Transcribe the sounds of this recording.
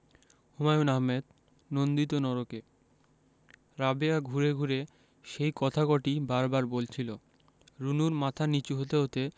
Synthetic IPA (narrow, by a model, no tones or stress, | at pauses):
humajunaɦmed̪ | nond̪it̪̬onɔɾoke | ɾabeaɡʱuɾeɡʱuɾe | ʃejkɔt̪ʰakɔʈibaɾbaɾbolt͡ɕʰilo | ɾunuɾmat̪ʰanit͡ɕuɦot̪eɦot̪e